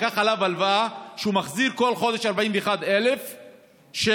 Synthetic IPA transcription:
kaχalavalvaʃeumaχziʁko̞lχo̞d̪eʃaʁbaimveeχad̪elef | ʃe

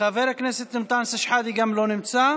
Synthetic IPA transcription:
aveɾakneset̪nɪmt̪ˤansaʃħad̪iɡamlonɪmt͡sa

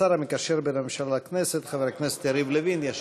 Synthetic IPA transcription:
aɾamikaʃeɾbememʃalakneset̪χaveɾakneset̪jaɾivlevinjaʃ

